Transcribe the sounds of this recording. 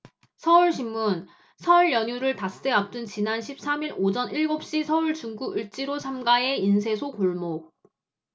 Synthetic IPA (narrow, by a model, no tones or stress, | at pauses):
sʰʌuɭɕʰimːun | sʰʌuɭjʌɲuɾɯɭpast͈eʌp̚t͈ɯnt͡ɕinanɕʰip̚s͈amiɾod͡ʑʌniɭɡop̚ɕ͈isʰʌuɭt͡ɕuŋɡuɡɯɭt͡ɕ͈iɾosʰamɡae̞insʰe̞sʰokoɭmo